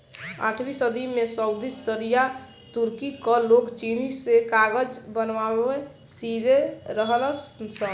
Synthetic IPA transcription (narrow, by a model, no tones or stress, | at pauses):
a̰ʈʰbisəd̪ʱimesəwd̪isəɾija | t̪uɾkikɔlokt͡ʃinisekaɡəd͡ʒbənʋae | siɾeɾəɦəlssə